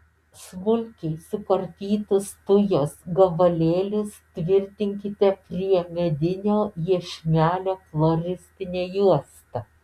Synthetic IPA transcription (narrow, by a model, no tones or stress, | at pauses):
smʊlʲkʲɛɪsʊkɐɾʲt̪ʲiːt̪ʊst̪ʊjoːsɡɐʋɐlʲeːlʲʊst̪ʲʋʲɪɾʲt̪ʲɪŋʲkʲɪt̪ʲɛpʲɾʲiɛmʲɛd̪ʲɪnʲoːjiɛʃʲmʲæːlʲoːklˠoɾʲɪsʲt̪ʲɪnʲeːjuɔst̪ɐ